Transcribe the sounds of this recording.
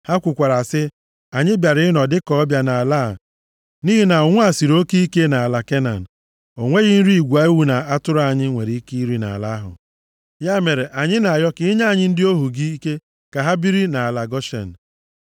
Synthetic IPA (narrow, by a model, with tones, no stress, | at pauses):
ha˦kʷʊ˨kʷa˨ɾa˨sɪ˦ | a˨ɲɪ˦bja˨ɾɪ˦nɔ˨dɪ˦kɔ˦ɔ˦bja˦na˨a˨la˦˨ | niː˦ɦi˨na˨ʊ˨ŋʷʊ˦a˨si˨ɾo˦ki˦i˦ke˦na˨a˨la˨ke˦na̰˨n̩˨ | o˨ŋʷe˦ɣɪ˦n̩˦ɾi˦i˨ɡʷa˨i˦wu˦na˨a˦tʊ˦ɾa˨ɲɪ˦ŋʷe˨ɾi˦i˦ki˦i˦ɾi˦na̰˨la˦ɦʊ̰˨ | ja˦me˨ɾe˨ʔa˨ɲɪ˦na˨a˨jɔ˦kɪ˦ɲa˦˨ɲɪ˦n̩˦dɪ˦o˦ɦu˨ɡi˦i˦ke˦ | ka˨ɦa˦bi˦ɾi˦na˨a˨la˨ɡɔ˦ʃḛ˨n̩˨